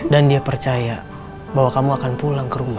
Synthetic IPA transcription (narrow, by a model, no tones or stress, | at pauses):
dandiapərt͡ʃaja | baɦwakamuakanpulaŋkəɾuma